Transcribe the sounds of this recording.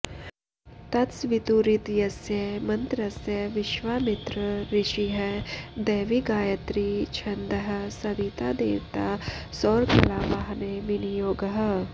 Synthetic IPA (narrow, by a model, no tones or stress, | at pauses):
t̪ɐt̪sʋɪt̪uːɾɪt̪jɐsjəmɐ̃nt̪ɾɐsjəʋɪʃʋaːmɪt̪ɾəɾɪʃiɦɛd̪eːʋiɡaːjət̪ɾit͡ʃʰɐ̃nd̪əɦ̆sɐbiːt̪aːd̪ḛːʋt̪aːsɔːɾkʰɐlaːbaɦneʋɪnijoːɡɦ